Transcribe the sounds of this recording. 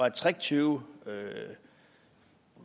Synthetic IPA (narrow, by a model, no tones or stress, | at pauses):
ɑt͡sʰʁɛt͡sʰyːʊø